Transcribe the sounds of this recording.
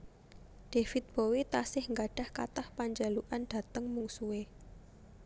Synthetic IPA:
ɖ̪̥efɪt̪̚b̥owit̪asɪhŋɡaɖ̥a̤hka̰t̪ahpaɲd͡ʒaluʔanɖ̥ä̤t̪əŋmuŋsuwe

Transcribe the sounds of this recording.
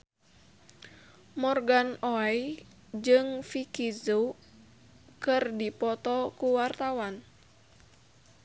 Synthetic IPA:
mɔrɡanɔɛj | d͡ʒɨŋfikizu | kɨrdipɔt̪ɔkuwart̪awan

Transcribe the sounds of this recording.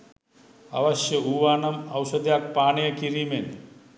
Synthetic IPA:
ɐ̰ʋɐʃjɐuːʋaːnɐmɐwsɐd̪jaːk̚paːɳijɐkiɾiːmen

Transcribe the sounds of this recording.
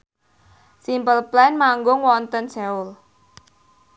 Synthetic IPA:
simpəlplɛnmaŋɡʊŋwɔnt̪ənsɛʊl

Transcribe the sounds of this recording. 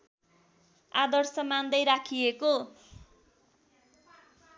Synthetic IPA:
ad̪ʌrsʌmand̪ʌjɾakʰieko

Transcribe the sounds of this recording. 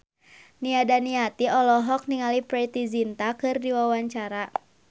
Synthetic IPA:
niadaniat̪iɔlɔɦɔk̚niŋalipɾɛt̪izint̪akɨrdiwawaɲt͡ʃaɾa

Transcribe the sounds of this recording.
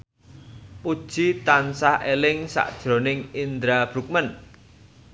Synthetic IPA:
pud̥ʒ̥it̪ansahelɪŋsa̰ʔd̥ʒ̥ɾo̤nɪŋind̪ɾab̥ɾṳk̚mən

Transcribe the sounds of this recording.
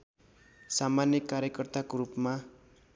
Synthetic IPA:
samanjʌkaɾjʌkʌrt̪akoɾupma

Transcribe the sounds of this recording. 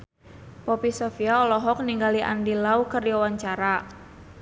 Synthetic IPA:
pɔpisɔfiaɔlɔɦɔk̚niŋɡaliʔa̰ndilaukərdiawaɲt͡ʃaɾa

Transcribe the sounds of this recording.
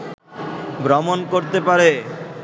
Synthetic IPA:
bɾɔmonkoɾt̪epaɾe

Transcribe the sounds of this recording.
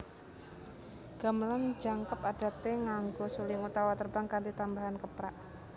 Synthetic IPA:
ɡ̥a̤məland͡ʒaŋkəpad̥a̤t̪eŋaŋɡɔsulɪŋut̪awat̪ərbaŋkant̪d̪it̪ambaɦankəpɾaʔ

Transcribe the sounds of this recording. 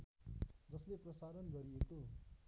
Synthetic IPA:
d͡zʌsleprʌsaɾʌnɡʌɾijeko

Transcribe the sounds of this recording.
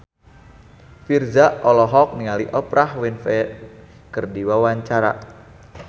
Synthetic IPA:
firzaʔɔlɔɦɔk̚niŋaliʔəpɾahwɪnfɛ | kərdiwawaɲt͡ʃaɾa̰

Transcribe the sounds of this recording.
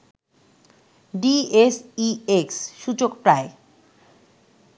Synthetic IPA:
ɖiesieksʃut͡ɕokpɾae

